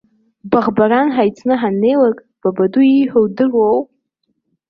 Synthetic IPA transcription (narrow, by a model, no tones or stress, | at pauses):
baʁbaɾanħajt͡sʰʼnɨɦanːe̞jlakʼ | b̥abaduiħowdɨrowpʼ